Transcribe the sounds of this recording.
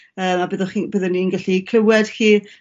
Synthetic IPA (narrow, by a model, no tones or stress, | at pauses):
əːmabəðɔχibəðɔninɡaɬikʰl̥ˠəwɛd̥xiː